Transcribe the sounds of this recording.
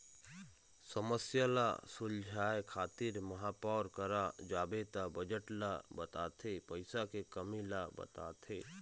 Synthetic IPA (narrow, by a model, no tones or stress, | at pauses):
səməsjala̰sʊld͡ʒʱaːjkʰaːt̪iɾmɐɦaːpɔːɾkəɾad͡ʒaːbeːt̪abəd͡ʒəʈlabɐt̪a̰ːt̪ʰepəɪsakekəmilabɐ̰t̪a̰ːt̪ʰeː